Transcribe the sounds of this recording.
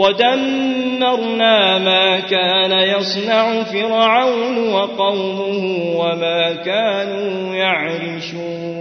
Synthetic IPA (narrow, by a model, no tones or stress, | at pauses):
wad̪anːɑɾˤnaːmaːkaːnajɑsˤnaʕʊfɪɾʕawnwɑqɑwmʊhʊwamaːkaːnuː | jaʕɾɪʃuː | n